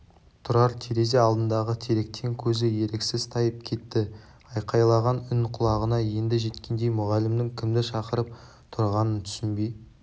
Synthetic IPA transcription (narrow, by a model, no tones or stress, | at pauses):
t̪ʰʊɾɑɾt̪ʰeɾe̞zeɑlˠd̪ənd̪ɑʁət̪ʰeɾe̞k̚t̪ʰe̞ŋkʲʰɵzɪje̞ɾeksɪzt̪ʰɑjəp̚kʲʰe̞t̪ːɪ | ɑjqʰɑjlˠɑʁɑnʏnqʰʊlˠɑʁənɑje̞nd̪ɪʒe̞t̪kʲʰe̞nd̪e̞jmʊʁɑlɪmd̪ɪŋkʲʰɪmd̪ɪʃɑqəɾəp̚ | t̪ʰʊɾʁɑnənt̪ʰʏ̥sɪnbej̪